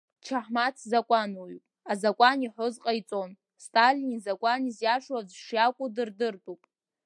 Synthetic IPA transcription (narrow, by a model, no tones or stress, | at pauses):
t͡ʃʰaħmat͡sʰzakʷʼanujpʼazakʷʼaniħʊzqʼait͡sʼon | stʼalinizakʷʼanizjaʂwazʂjakʷʼʊdɨrdɨrtʼupʼ